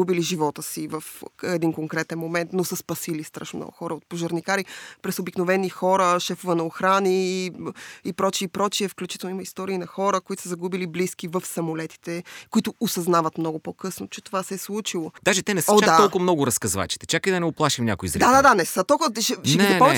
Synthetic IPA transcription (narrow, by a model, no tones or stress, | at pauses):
ubiliʒivɔt̪əsivəfɛd̪inkoŋkɾɛt̪ɛnmomɛnt̪nosəspɐsilist̪ɾa̰ʃnomnɔ̰ɡʊxɔɾəot̪̚poʒɐɾnikaɾipɾɛsobiknovɛnixɔɾəʃɛfovənɐoxɾani | ipɾɔt͡ʃiːpɾɔt͡ʃiɛfklʲut͡ʃit̪ɛlˠnʊiməist̪ɔɾiːnɐxɔɾəkoit̪ʊ̥səzɐɡubilibliskivəfsɐmolɛt̪i̥t̪ɛkoit̪ʊosɐznavət̪mnɔɡʊpokɤsnot͡ʃɛt̪ovasɛslˠut͡ʃilˠod̪aʒɛt̪ɛnɛsɔd̪aaɔlkʊmnɔɡʊɾɐskɐzva̰t͡ʃi̥t̪ɛ̥t͡ʃakəjd̪ɐnɛoplˠaʃimnʲɲʲa̰koizɾɛd̪ad̪ad̪anɛsət̪ɔlˠk̪ʃɛʃɛnɛpɔm